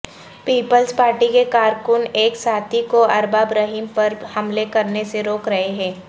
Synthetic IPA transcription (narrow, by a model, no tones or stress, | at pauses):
piːpəlspaːɾʈikekaːɾkʊneːksaːt̪ʰikoɐɾbaːbɾəɦiːmpɐɾhɐmlekɐɾneseɾoːkɾɐɦeɦɛ̃ː